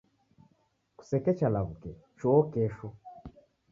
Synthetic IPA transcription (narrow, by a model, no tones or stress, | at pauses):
ku̥sɛkɛt͡ʃalaβukɛ | t͡ʃɔɔkɛʃu